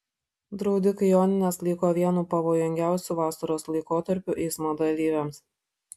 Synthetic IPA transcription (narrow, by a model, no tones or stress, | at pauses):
d̪ɾɒʊd̪ʲɪkɐjoːnʲɪnʲeslʲˠiːkoːʋʲiɛnuːpɐʋoːjʊŋʲɡʲæˑʊsʲuːˑʋɑːsɐɾoːslˠɐɪkoːt̪ɐɾʲpʲʊʔɛɪsmoːd̪ɐlʲiːʋʲɛms